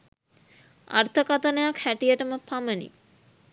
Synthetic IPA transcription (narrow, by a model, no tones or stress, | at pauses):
a̰rt̪ʰəkat̪ənəjakhæʈijəʈəməpamənḭ